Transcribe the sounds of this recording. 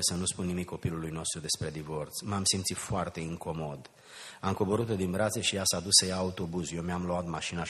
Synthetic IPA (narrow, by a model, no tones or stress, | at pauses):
esənuspunːimikːo̞pilulujno̞st̪ɾud̪e̞spɾe̞d̪ivo̞rt̪smamsimt̪sit̪foart̪e̞ɨŋko̞mo̞d̪ | amko̞bo̞ɾut̪od̪inbɾat̪seʃijasad̪usːəjaːut̪o̞buzje̞wmjamloat̪maʃina